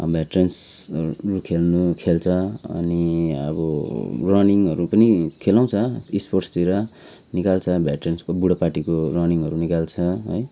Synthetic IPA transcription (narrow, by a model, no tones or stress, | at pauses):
ʌ̰bʱjaʈrensrukʰelnukʰelt͡sʰʌʌ̰niʌ̰bʌrʌniŋʌɾupʌnikʰelaw̃t͡sʰʌisporʈstiɾʌ | nikalt͡sʰʌbʱjaʈrenskobuɽʌpaʈikorʌniŋɦʌɾunikalt͡sʰʌɦʌ̰j